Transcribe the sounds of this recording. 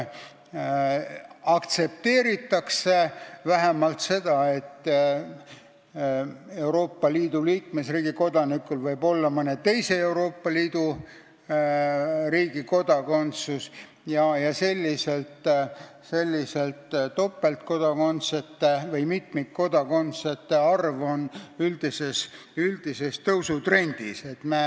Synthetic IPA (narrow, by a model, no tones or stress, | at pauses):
ɑkt̪se̞p̚t̪e̞ːɾit̪ːˑɑksevæɦemɑlt̪se̞d̪̥ɑet̪ːˑ | e̞wɾo̞ːpːɑliːd̪̥uliːkme̞sriːɡ̥iko̞d̪̥ɑnikːˑulvɤjbo̞lːɑmɤnet̪e̞jse̞e̞wɾo̞ːpːˑɑliːd̪̥u | riːɡ̥iko̞d̪̥ɑko̞nt̪sus | jɑjɑse̞lʲːise̞lt̪ | se̞lʲːiselt̪t̪ːo̞pːˑe̞lt̪ko̞d̪̥ɑko̞nt̪set̪ːevɤjmit̪mik̪̚ko̞d̪ɑko̞nt̪set̪ːeɑrvo̞nyld̪̥ise̞s | yld̪̥ise̞st̪ɤwsut̪re̞nʲd̪̥ise̞t̪me